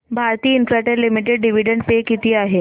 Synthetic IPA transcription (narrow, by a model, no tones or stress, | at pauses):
bʱaɾt̪iːinfɾɛʈəɾlimiʈeɖɖiʋiɖəɳɖpekit̪iːaɦe